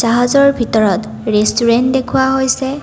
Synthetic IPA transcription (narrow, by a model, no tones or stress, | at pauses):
zaɦazɔɹbʱitɔɹɔt | ɹestuɹɛntdekʰʊwaɦojsɛ